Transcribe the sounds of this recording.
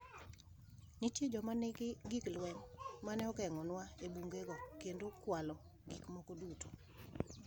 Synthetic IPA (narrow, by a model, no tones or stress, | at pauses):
nitjed͡ʒɔmanɡɡiklwɛŋmanɛɔkɛŋɔnwaebuŋɡeɡɔkendokwalɔ | ɡikmɔkoduto